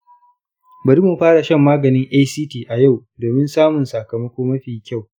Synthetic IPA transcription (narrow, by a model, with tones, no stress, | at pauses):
bɐ˨ɾi˦mu˨ɸaː˦ɽa˨ʃɐ˦mːaː˦ɡɐ˨nɪ˦ŋʔaː˦jsiː˦tiː˨ʔa˨ja˦˨wdoː˨mɪ˦nsaː˦mʊ˨nsa˨kɐ˨mɐ˦kʷoː˦mɐ˦ɸiː˨kʲa˦˨w